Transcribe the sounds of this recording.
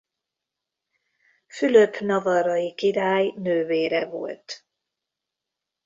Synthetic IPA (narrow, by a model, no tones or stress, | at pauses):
fyløpnɒvɒɾɒjikiɾaːjnøːveːɾɛvo̰lt̪